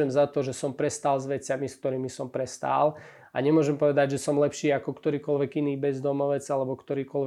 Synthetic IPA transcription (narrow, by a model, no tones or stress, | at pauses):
ɛmzat̪ɔʒɛsɔmpɾɛst̪aːlzʋɛt͡samisk̚t̪ɔɾiːmisɔmpɾɛst̪a̰ːl | a̰ɲɛmʊɔʒɛmpɔʋɛd̪aɟʒɛsɔmlɛpʃiːakɔkt̪ɔɾiːkɔlʋɛɡiniːbɛzd̪ɔmɔʋɛd͡zalɛbɔkt̪ɔɾiːkɔlʋɛ